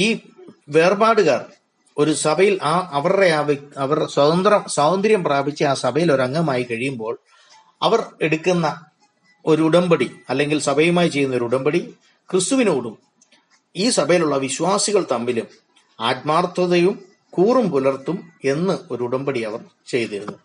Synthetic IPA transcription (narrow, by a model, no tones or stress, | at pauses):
iːʋe̞ːrbaːɽɨɣaːr | o̞ɾusɐbʱɐjilʔaʔɐʋɐrɽe̞aːʋɐɐʋɐrswɐd̪ɐnd̪rɐmswaːwɐnd̪ɐɾjɐmpraːbʱit͡ɕːɨaːsɐbʱɐjilo̞ɾɐŋːɐmaːjikɐɻijumbo̞ːɭ | ɐʋɐre̞ɽukːunːɐ | o̞ɾuːɽɐmbɐɽiɐlːe̞ŋɡilsɐbʱɐjumaːjit͡ɕe̞jːunːɐo̞ɾuɽɐmbɐɽi | krist̪uʋineuɽum | iːsɐbʱɐjiluɭːɐʋiɕwaːsiɣɐɭt̪ɐmːilum | aːt̪̚maːrt̪wɐðɐjum | kuːrumpulɐrt̪ːume̞nːɨo̞ɾuuɽɐmbɐɽiɐʋɐr | t͡ɕe̞jt̪iɾunːu